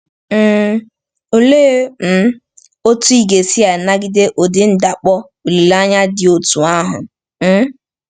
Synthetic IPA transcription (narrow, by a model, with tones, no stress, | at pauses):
o˨leː˦m̩˦ | o˦tu˦i˦ɡe˨si˦a˨na˦ɡɪ˦de˦ʔo˨dɪ˦n̩˦da˨k͡pɔ˦ | o˨li˨la˦ɲa˦dɪ˨o˨tu˨a˦ɦʊ̰˨ | m̩˦